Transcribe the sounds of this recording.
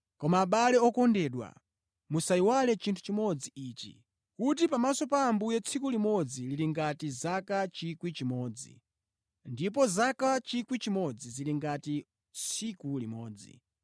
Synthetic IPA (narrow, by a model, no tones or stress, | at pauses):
kɔmaːɓalɛɔkɔndɛɗwa̰ | musaiwalɛt͡ʃintʰu̥t͡ʃimɔd͡ziʔiːt͡ʃḭ | kut̬ipamasɔpaːmbujɛt͡sʰikulimɔd͡zililiŋɡatizakat͡ʃikwit͡ʃimɔːd͡zḭ | ndip̬ɔzakat͡ʃikwit͡ʃimɔd͡ziziliŋɡati | t͡sʰikulimɔːd͡zḭ